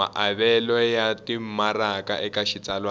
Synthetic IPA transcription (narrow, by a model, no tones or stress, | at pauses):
a̰ʔaβɛlɔjatim̩maraka̰ʔɛkaʃit͡sʼalwa